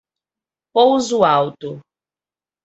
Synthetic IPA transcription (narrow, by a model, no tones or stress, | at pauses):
powzuawt̪ʊ